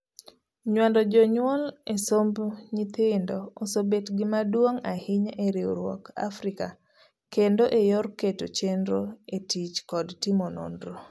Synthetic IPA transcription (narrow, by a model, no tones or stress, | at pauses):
ɲwandɔd͡ʒɔɲwɔlesombɲit̪ɪndɔosobetɡɪmadwoŋahɪɲeɾɪoɾwɔ̰ka̰fɾɪka | kendoʔejɔrketot͡ʃendɾoetit͡ʃkɔdtɪmono̰ndɾo